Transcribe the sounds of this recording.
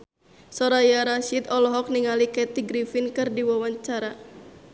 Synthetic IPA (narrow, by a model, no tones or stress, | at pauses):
sɔɾajaɾaʃit̪ɔlɔɦɔk̚niŋalikɛt̪iɡɾifinkɨrdiwawaɲt͡ʃaɾa